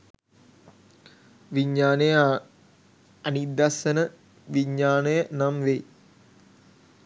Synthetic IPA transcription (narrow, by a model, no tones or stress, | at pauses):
ʋiɲːaːnəjə | ɐnid̪ːasənə | ʋiɲːaːnəjənamʋe